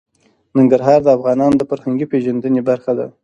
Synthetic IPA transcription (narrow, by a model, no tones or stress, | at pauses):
nɪŋɡaɾɦɑɾd̪əafɣɑnɑnod̪əfaɾhaŋɡipeʒand̪ənebaɾxad̪a̰